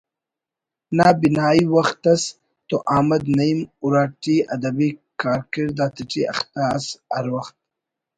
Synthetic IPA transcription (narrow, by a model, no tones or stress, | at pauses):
nabinaːiwɐxt̪ɐs | t̪oʔaːmɐd̪nɐimʊɾaːʈiɐd̪ɐbikaːɾkiɾd̪aːt̪ɪʈiɐ̰xt̪asaɾwɐxt̪̚